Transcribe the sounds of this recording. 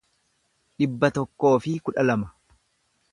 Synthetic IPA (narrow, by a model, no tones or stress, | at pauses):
ᶑɪbːɐt̪ɔkːo̞ːfɪkʊᶑɐlɐmɐ̥